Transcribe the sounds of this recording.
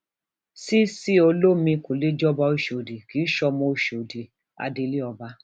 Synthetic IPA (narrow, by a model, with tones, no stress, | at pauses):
si˦si˦o˧lo˦mĩ˧ko˨le˦d͡ʒɔ˦ba˧o˧˨ʃo˨de˨ki˨˦ʃɔ˧mɔ̃˧o˧˨ʃo˨de˨ | a̰˧de˧li˦ɔ˧ba˧˦